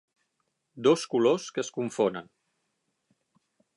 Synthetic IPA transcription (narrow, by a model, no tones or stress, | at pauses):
d̪oskuloskəskuɱfonə̰n